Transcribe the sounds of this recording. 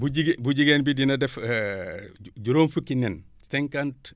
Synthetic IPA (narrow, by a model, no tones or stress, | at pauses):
buɟiɡbuɟiɡenbidinɐdɛf | ɟuɾoːmfukːinɛnseŋkant